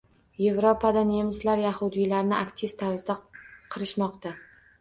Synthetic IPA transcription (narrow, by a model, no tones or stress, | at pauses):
je̞vɾopʰad̪ane̞mɪslaɾjahʊd̪ɪjlaɾnɪakt̪ʰɪft̪ʰaɾɪzd̪aqʰɨɾɪʃmɒqt̪a